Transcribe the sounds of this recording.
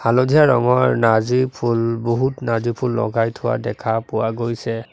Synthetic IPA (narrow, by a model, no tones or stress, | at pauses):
halodʱijaɹɔŋɔɹnazipʰulboɦutnazipʰulːɔ̰ɡajtʰʊwa̰dɛkʰapʊwaɡojsɛ